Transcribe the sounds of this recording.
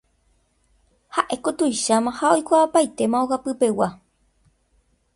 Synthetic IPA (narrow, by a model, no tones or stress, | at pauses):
haʔe̞kot̪ujʃamãhao̞jkʷaapajt̪e̞mãoɣapɨpe̞wa